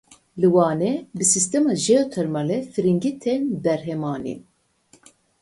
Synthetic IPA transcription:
lɨwɑːnɛbɨsist̪ɛmɑːʒeot̪ʰɛɾmɑlɛfɨɾiŋɡit̪ʰɛnbɛɾɦɛmɑːnḭ

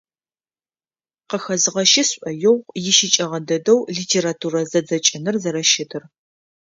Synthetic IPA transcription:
qəxɐzɨʁɐʃɪsʷʼʔɐjɪwʁʷjɪʃɪt͡ʃʼɐʁɐdɐdɐwɮiːtʰeːɾaːtʰuːɾɐzɐd͡zɐt͡ʃʼɐnɨrzɐɾɐʃɪtʰɨr

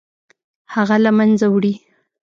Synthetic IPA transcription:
haɣalamanzawɽi

